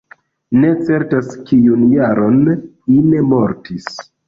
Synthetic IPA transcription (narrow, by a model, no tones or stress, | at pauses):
ne̞t͡se̞ɾtaskijunjaɾo̞n | ine̞mo̞ɾtis